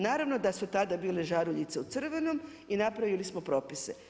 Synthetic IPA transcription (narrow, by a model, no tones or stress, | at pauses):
naːɾaʋno̞d̪asut̪ad̪abiːleʒaɾuʎit̪seut̪sr̩ʋe̞no̞m | inapɾaʋilismo̞pɾo̞ːpise